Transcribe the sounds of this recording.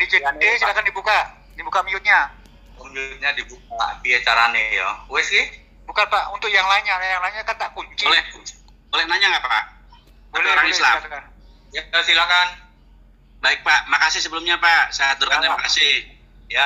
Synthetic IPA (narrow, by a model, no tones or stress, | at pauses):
dit͡ʃiaisilakandibuka | dibukamiʊt̪̚ɲa | omiʊt̪̚ɲadibuk̚apiat͡ʃaɾanijo̰uɛsɪ | bukanpaʔunt̪ʊkjaŋlaɲaajaŋlaiɲakant̪aʔkuɲt͡ʃilɛ | bolɛhnaɲaŋapaʔ | t̪alioɾaŋislaska | jaasilahkan | baɪk̚paʔmakasɪsəbəlʊmɲapasajaat̪ʊɾkalamakasɪ | ja